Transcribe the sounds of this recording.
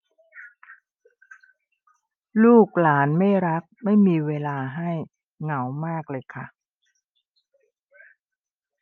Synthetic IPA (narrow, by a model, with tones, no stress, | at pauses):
luː˥˩k̚laː˩˦nma˥˩jɾa˦˥k̚ma˥˩jmiː˧weː˧laː˧ɦa˥˩j | ŋa˩˦wmaː˥˩k̚lɤː˧jkʰa˥˩